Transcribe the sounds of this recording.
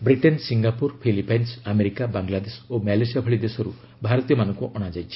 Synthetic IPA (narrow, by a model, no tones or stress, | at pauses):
bɾiʈensiŋɡapuɾpʰilipajnsameɾikabaŋlad̪esomɛlesijabʱəɭid̪esɔɾu | bʱaɾɔt̪ijɔmanɔŋkuʔɔɽ̃ad͡ʒajt͡ʃʰi̥